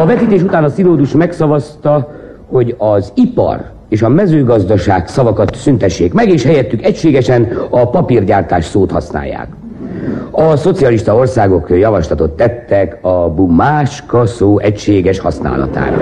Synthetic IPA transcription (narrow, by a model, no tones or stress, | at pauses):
ɒvɛt̪iːt̪eːʃut̪aːnɒsiloːd̪uʃmɛksɒvɒst̪ɒ | ho̞ɟɒzipɒ̰r | eːʃɒmɛzøːɡɒzd̪ɒʃaːksɒvɒkɒt̪synt̪ɛʃːeːkmɛɡeːʃhɛjɛt̪ːykɛcʃeːɡɛʃɛnɒpɒpirɟaːrt̪aːʃsoːt̪hɒ̰sna̰ːjːa̰ːk | ɒso̞t̪sijɒliʃt̪ɒo̞rsaːɡo̞kjɒvɒʃlɒt̪ot̪ːɛt̪ːɛkɒbumːaːʃkɒsoːʔɛcʃeːɡɛʃhɒsna̰ːlɒ̰t̪a̰ːɾɒ̰